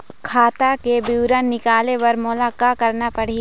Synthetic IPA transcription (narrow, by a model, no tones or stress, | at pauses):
kʰaːt̪akebiʊɾənːɪkaːleʋɐɾmʊlaːkakɐɾnapɐɽ̤i